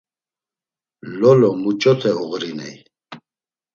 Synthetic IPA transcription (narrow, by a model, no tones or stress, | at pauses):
lɔlɔmut͡ʃʼɔt̪ʰɛuɣɾinɛ̰j